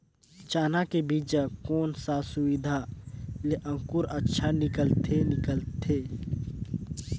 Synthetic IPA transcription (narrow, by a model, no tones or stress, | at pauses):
t͡ʃaːnakebiːd͡ʒəkoːnsasʊwɪd̪ʱaleʔə̃ŋkuɾətːʃʰanɪkəlt̪ʰenɪkəlt̪ʰeː